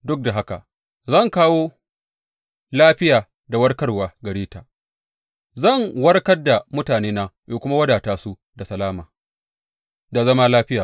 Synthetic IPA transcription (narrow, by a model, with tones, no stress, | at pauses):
dʊ˦k̚da˨ɦa˦ka̰˨ | zɐ˦˨ŋkaː˦woː˦ | laː˦ɸɪ˦jaː˨ | da˨wɐ˦rkɐ˦rwaː˨ɡɐ˨ɽiː˦taː˨ | zɐ˦˨ŋwɐ˦rkɐ˦rda˨mʊ˦taː˨neː˦naː˦joː˨kʷʊ˦ma˦wɐ˦daː˨taː˦su˦ | da˨sɐ˨laː˦maː˨ | da˨zɐ˦ma˦laː˦ɸɪ˦jaː˨